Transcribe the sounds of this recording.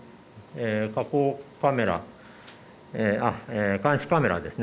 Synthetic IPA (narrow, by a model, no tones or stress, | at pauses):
eːkakoːkame̞ɾa̰ | eːaeːkãɰ̃ɕi̥kame̞ɾa̰d̪e̞sɨn